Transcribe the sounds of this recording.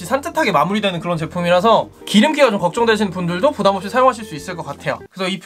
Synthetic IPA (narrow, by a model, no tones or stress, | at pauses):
ɕ͈isʰant͡ɕʰatʰaɡe̞mamuɾidwenɯnkɯɾʌnt͡ɕe̞pʰumiɾɦasʰʌ | kiɾɯmk͈iɡat͡ɕomkʌk̚t͡ɕ͈ʌŋdwe̞ɕ̬ʰinpundɯɭdopodamʌp̚ɕ͈isʰajoŋɦaɕʰiɭs͈uis͈ɯɭk͈ʌk͈atʰe̞jo̰kɯesʰʌipʰ